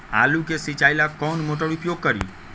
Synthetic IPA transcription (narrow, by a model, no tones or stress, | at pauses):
a̰lukesit͡ʃajlakɔnmoʈəɽupjoɡ̚kəɾḭ